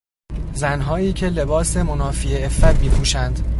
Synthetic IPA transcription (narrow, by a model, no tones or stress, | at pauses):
zænɦɒːjiːcʰe̞le̞bɒːse̞monɒːfieefːæt̪miːpʰuːʃænd̪